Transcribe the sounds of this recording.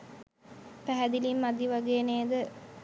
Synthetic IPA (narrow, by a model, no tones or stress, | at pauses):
pæɦæd̪ilimːad̪iʋaɡeːneːd̪ə